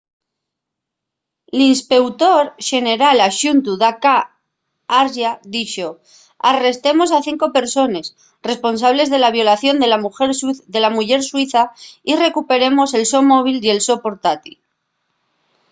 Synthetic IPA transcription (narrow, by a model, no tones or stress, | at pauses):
linspe̞wt̪o̞ɾʃe̞ne̞ɾalaʃunt̪uðaka | aɾʒaðit͡ʃo̞ | are̞st̪e̞mo̞saθiŋko̞pe̞ɾso̞ne̞s | re̞spo̞nsaβ̞le̞zð̞e̞laβ̞jo̞laθjo̞nd̪e̞lamuxeɾd̪e̞lamuʝe̞ɾswiθaire̞kupe̞ɾe̞mo̞se̞lso̞mo̞βile̞lso̞po̞ɾt̪at̪il